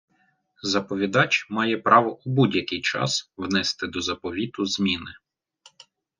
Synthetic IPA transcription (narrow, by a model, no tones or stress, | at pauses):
zɐpɔʋʲid̪ɑt͡ʃmɑjɛpɾɑʋɔubudʲjɐkɪjt͡ʃɑ̰swnɛst̪ɪd̪ɔzɐpɔʋʲit̪ʊzmʲinɪ